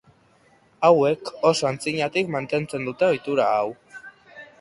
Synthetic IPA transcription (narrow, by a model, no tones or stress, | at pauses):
awekosoant͡siɲat̪ikmant̪e̞nt͡se̞nd̪ut̪e̞o̞jt̪uɾaaw